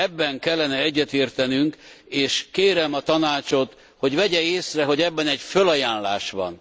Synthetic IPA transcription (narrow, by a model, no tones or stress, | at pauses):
ɛbːɛŋkɛlːɛnɛɛɟːɛt̪eːrt̪ɛnyŋkeːʃkeːɾɛmɒt̪ɒnaːt͡ʃo̞t̪ | ho̞ɟvɛɟɛeːsrɛɦo̞ɟɛbːɛnɛɟfølɒjaːnlaːʃbɒ̰n